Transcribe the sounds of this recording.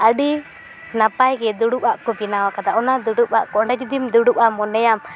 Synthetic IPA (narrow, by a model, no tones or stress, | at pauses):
aɖi | napajɡɛd̪uɽuʔaʔkɔbinawakad̪aʔɔnad̪uɽuʔa̰ʔkɔɳɖad͡ʒud̪imd̪uɽuʔamɔnɛjam